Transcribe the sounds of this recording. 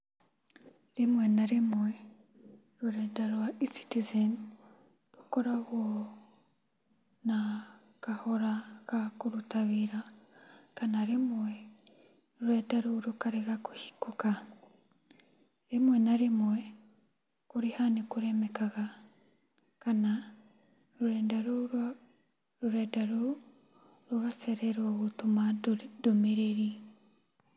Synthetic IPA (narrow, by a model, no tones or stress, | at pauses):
ɾimwenaɾimwe | ɾuɾedaɾwaisi̥tizen | ɾukoɾaɣo | na | kahoɾakakuɾutaβiɾa | kanaɾimwe | ɾuɾedaɾoɾukaɾeɣakuhi̥kuka | ɾemwɛnaɾemwɛ | koɾehanekoɾɛmɛkaɣa | kana | ɾoɾɛndaɾoɾ | ɾoɾɛdaɾo | ɾoɣasɛɾɛɾwaɣotomadomeɾeɾi